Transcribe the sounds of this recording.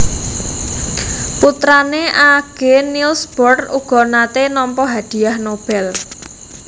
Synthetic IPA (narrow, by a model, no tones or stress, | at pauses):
put̪ɾaneʔaɡ̥enilsb̥ɔrt̪uɡ̥ɔ̤nat̪enɔmpɔɦad̪̥i̤jahnob̥ɛl